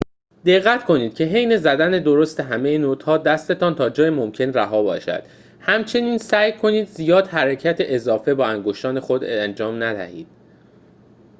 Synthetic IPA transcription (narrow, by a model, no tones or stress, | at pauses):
d̪e̞ɣːæt̪kʰo̞niːd̪̥̚cʲʰe̞ɦejne̞zæd̪æne̞d̪o̞ɾo̞st̪e̞ɦæmejenot̪hɒːd̪æst̪e̞t̪ʰɒːnt̪ʰɒːd͡ʒɒːjemomcʰe̞nræɦɒːbɒ̰ːʃæ̰d̪̥ | hæmt͡ʃʰe̞niːnsæːjkʰo̞niːd̪zijɒːd̪hæɾecʰæt̪ʰeʔezɒːfe̞bɒːæŋɡoʃt̪ɒːne̞xod̪nd͡ʒɒːmnæd̪æ̰hḭːd̪̥